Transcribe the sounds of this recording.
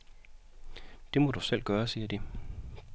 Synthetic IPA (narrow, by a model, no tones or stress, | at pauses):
d̥e̝mɒ̽d̥usel̰ɡ̥ɶːɐsiːɐd̥i